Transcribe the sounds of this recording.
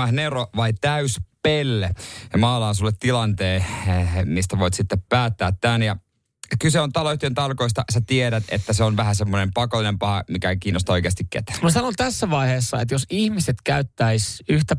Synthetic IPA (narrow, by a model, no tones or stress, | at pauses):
ɑhneroʋɑit̪æyspelːejɑmɑːlɑːnsulːet̪ːilɑnt̪eː | mist̪æʋoit̪sit̪ːeppæːt̪ːæːt̪ːænjɑ | kyseont̪ɑloyht̪ient̪ɑlko̞ist̪ɑsæt̪ieɾæt̪ḛt̪ːæseonʋæhæsemːonempɑkolːinempɑhɑmikækiːnːost̪ɑoikeɑst̪ikkḛt̪æ̥mɑsɑnot̪æsːæʋɑiheːsːɑet̪josihmiset̪kæyt̪ːæisyht̪æ